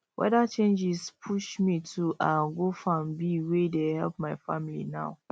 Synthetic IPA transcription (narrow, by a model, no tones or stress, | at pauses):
wʔɛ̰dat͡ʃẽnd͡ʒispʰuʃmitʰuʔãnɡofɹɔ̃mbiwedehɛ̰lˠp̚maɪfãmilḭnaʊ